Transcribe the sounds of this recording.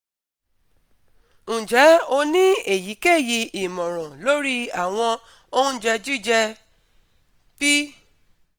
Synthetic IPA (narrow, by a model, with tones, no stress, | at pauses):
ñ̩˨d͡ʒɛ˨˦o˧nĩ˦e˦˨ji˨˦ke˦˨ji˧i˨mɔ̃˨ɾ̃ɔ̃˨lo˨˦ɾi˦a˦˨w̃ɔ̃˧ | o˧ũ˦d͡ʒɛ˧d͡ʒu˦˨d͡ʒɛ˧ | b̥i˦